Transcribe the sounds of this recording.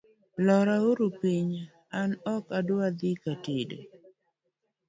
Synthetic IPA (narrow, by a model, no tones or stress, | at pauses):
lɔɾauɾupiɲ | anɔkadʊad̪ikatid